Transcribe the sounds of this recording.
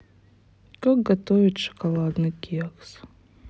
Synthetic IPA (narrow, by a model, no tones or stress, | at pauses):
kʼak̚ɡat̪ovʲitʂɐ̥kalˠad̪nɨkʲʰiaks